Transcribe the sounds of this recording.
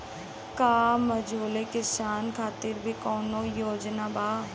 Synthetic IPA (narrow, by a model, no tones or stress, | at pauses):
kaːməd͡ʒʱoːlekɪsaːnkʰaːt̪ɪɾbʱikɔːnojoːd͡ʒnabaː